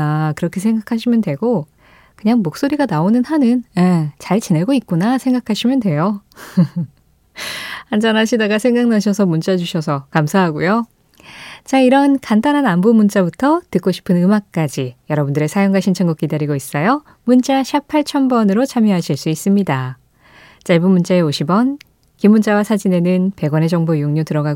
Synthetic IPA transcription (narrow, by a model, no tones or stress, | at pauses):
akɯɾʌkʰe̞sʰe̞ŋɡakʰaɕʰimjʌndwe̞ɡo | kɯɲaŋmok̚s͈oɾiɡanaonɯnhanɯnet͡ɕaɭt͡ɕineɭɡoik̚k͈unasʰe̞ŋɡakʰaɕʰimjʌndwe̞jo | hand͡ʑʌnɦaɕʰidaɡasʰeŋɡaŋ̚naɕʰʌsʰʌmunt͡ɕ͈ad͡ʑuɕʰʌsʰʌkamsʰaɦaɡujo | t͡ɕaiɾʌnkandanɦanambomunt͡ɕ͈abutʰʌtɯk͈oɕʰi̥pʰɯnɯmak̚k͈ad͡ʑijʌɾʌbundɯɾe̞sʰajʌŋɡaɕʰint͡ɕʰʌnɡʌk͈idaɾiɡois͈ʌjo | munt͡ɕ͈aɕʰapʰaɭt͡ɕʰʌmbʌnɯɾot͡ɕʰamjʌɦaɕʰiɭs͈uis͈ɯmɲida | t͡ɕ͈aɭbumunt͡ɕ͈aeoɕʰibʌn | kimːunt͡ɕ͈awasʰad͡ʑine̞nɯnpe̞ɡwʌne̞d͡ʑʌŋbojoŋɲotɯɾʌɡa